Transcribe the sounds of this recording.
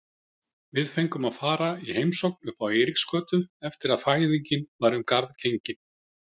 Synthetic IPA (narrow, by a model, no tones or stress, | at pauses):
vɪðfejŋkʏmaðfaːɾaihejmsowknʏhpawejɾikskœːt̪ʏɛft̪ɪɾaðfaːjðiɲcɪnvaɾʏmkaɾðcejɲcɪ